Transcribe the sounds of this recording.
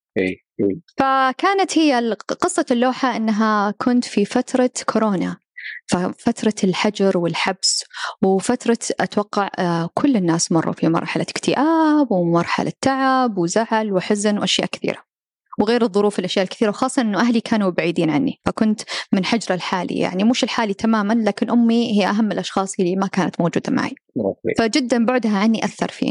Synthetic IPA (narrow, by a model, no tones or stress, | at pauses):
ʔḭː | ifakaːnat̪hɪjːaqɨsˤːɑlːoːħaʔɪnːɦakʰʊnt̪fifat̪ɾˤɑkʰʊɾoːna | fafat̪ɾˤɑlħad͡ʒɑɾˤwɪlħabswfat̪ɾˤɑʔat̪wɑqːɑʕkʰʊlːɪnːaːsmɑrˤːṵfimɑ̰ɾˤħalakt̪ʰɪʔaːbwmɑɾˤħa̰lʔa̰t̪ːaʕabwɪzaʕlwɪħɪznwʔaʃjaːʔkɪ̥θḭːɾa | wɣeːɾɨðˤːʊɾuːfɪlʔaʃjaːʔɪlkθiːɾawxɑːsˤːɑʔɪnːuʔaɦlikʰaːnubaʕiːd̪iːnʕanːḭfakʊnt̪mɪnħad͡ʒɾˤɑlħaːlḭja̰ʕnimuːʃɪlħaːlit̪amaːmanlaːkɪnʔʊmːihiːʔaɦamːɪlʔɑʃxɑːsˤjalːimakaːnat̪moːd͡ʒṵːd̪ama̰ʕḭ | fad͡ʒɪd̪ːanbʊʕd̪ɦaʕanːiʔakθɑ̰ɾˤfḭː